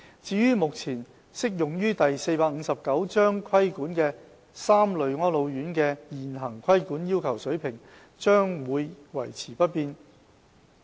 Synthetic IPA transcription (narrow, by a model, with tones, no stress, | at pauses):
t͡siː˨˧jyː˥mʊ˨k̚t͡sʰiː˨˩n | sɪ˥k̚jʊ˨ŋjyː˥t̪ɐ˨jse˧jpaː˧k̚ŋ̩˨˧sɐ˨p̚kɐ˨˥wt͡ʃœː˥ŋkʷʰwɐ˥jkuː˨˥nkɛː˧ | saː˥mlɵ˨˧ɥŋɔː˥nlo˨˧wjyː˨˥nkɛː˧jiː˨nɦɐ˨˩ŋkʰwɐ˥jkuː˨˥njiː˥wkʰɐ˨˩wsɵ˨˥ɥpʰɪ˨˩ŋ | t͡ʃœː˥ŋwuː˨˧jwɐ̰˨˩jt͡sʰiː˨˩pɐ˥t̚piː˧n